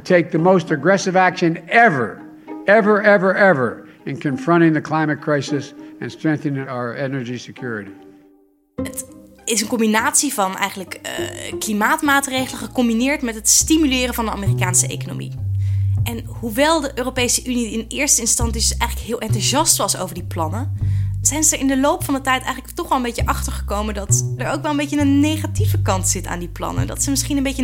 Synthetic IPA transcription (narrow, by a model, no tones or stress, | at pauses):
tʰeɪk̚ðɨmoʊstɨɡɹɛsɨvækʃɨ̃nɛvə̰˞ | ɛvə˞ɛvə˞ɛvə˞ | ɨ̃nkʰɨ̃ɱfɹʌ̃ɾ̃ɪ̃ŋðɨkʰl̥ãɪ̃mɨt̚kʰɹ̥aɪsɨsɨ̰̃nstɹ̥ɛ̃ŋk̚θɨnɪ̃ŋaə˞ɛnə˞d͡ʒisɨkʰj̥ʊɹɨɾi | ət | ɪsənkɔmbinaːtsivɑnɛ̰jχənləkːklimaːtmaːtrejχələχəkɔmbinɪːɹtmɛtɦətstimylɪːrəvɑndəa̰ːmɪːrikaːnsəʔḛjkono̰wmḭ | ʔɛn | huʋɛlˠdəʔøːrowpejsəʔyniɪnɪːɹstəɪnstɑnsisɛjχələkɦɪːlˠʔɛntuʒɑstʋɑso̰wvəɹdiplɑnəz̥ɛjnzədəɹɪndəlowpfɑndətɛjtɛ̰jχənləktɔχʋɛlˠəmbejcəʔɑχtəɹχəkowməndɑtdəɹowkʋɛlˠəmbejcənənːejχativəkɑntsɪta̰ːndiplɑ̰nə̰ndɑ̰tsəmɪsχinəmbejjə